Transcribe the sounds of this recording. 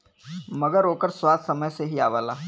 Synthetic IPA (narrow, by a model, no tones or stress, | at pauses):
mɐɡəɾɦoːkəɾswaːd̪sɐməjseɦiaːʋaːlaː